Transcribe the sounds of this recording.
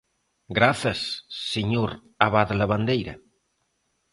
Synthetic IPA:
ɡɾaθɐsːeɲoɾ | aβaðlaβand̪ejɾɐ̰

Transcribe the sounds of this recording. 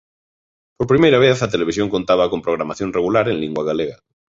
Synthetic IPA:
poɾpɾimejɾaβeθɐt̪eleβisjõŋkont̪aβɐkompɾoɣ̞ɾamaθjõŋreɣulaɾeŋliŋɡwɐɣaleɣɐ

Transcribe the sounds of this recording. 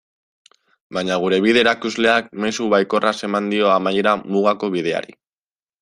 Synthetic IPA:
bajɲaɣ̞uɾe̞β̞iðe̞ɾakuzle̞ak̚me̞suβajko̞rase̞mand̪io̞amaje̞ɾamuɣ̞ako̞βið̞e̞a̰ɾḭ

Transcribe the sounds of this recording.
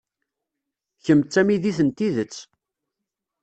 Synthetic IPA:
çəmt͡sːæmiðiθənt̪iðət͡sː

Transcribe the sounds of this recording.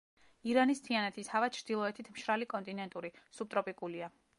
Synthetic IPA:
iɾanist̪ʰianɛt̪ʰishavḁt͡ʃʰɾd̪̥ilˠɔɛt̪ʰit̪ʰmʃɾalikʼɔnt̪ʼinɛnt̪ʼuɾisub̚t̪ʼɾɔpʼikʼulia

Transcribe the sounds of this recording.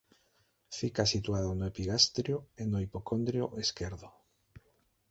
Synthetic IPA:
fikasit̪uaðonoepiɣast̪ɾjoenoipokond̪ɾjoʔeskeɾðo

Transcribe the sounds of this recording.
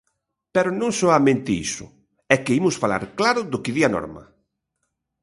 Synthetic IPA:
pɛɾʊnõŋsɔamẽnt̪ɪḭsʊ̰ | ɛkɪimʊsfala̰ɾklaɾʊðʊkɪðianɔ̰ɾmɐ̰

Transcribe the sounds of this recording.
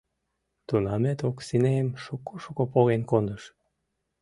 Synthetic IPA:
t̪unɑmet̪oksineəmʃukːoʃukopoɣenkond̪əʃ

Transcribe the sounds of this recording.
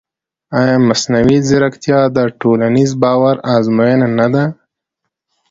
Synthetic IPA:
ɑjɑmasnawizɪɾakt̪jɑd̪əʈolanizbɑwaɾɑzmojananad̪a

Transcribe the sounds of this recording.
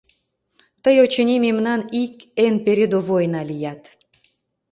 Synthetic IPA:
t̪əjot͡ɕənʲimemnɑnikenpeɾʲed̪ovojnɑlijɑt̪

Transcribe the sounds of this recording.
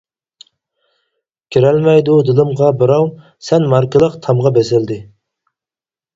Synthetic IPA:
kʲʰiɾɛlmɛjd̪ud̪ɨlˠɨmʁɑbɨɾɑw | sɛnmɑɾkɨlˠəqt̪ʰɑmʁɑbɛsɪld̪ɪ

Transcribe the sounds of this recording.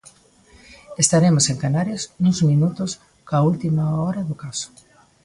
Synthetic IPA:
est̪aɾemoseŋkanaɾjasnũzmĩnut̪ʊs | kault̪imaoɾaðokasʊ̥

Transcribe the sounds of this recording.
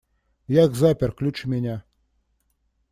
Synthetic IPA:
jaɡzapʲɛrklʲut͡ʂɨmʲɛnʲa

